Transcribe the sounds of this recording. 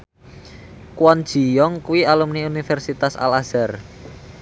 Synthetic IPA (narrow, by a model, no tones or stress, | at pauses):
kwɔnd̥ʒ̥i̤jɔŋkuwialumniunifɛrsit̪asa̰laz̥ɛr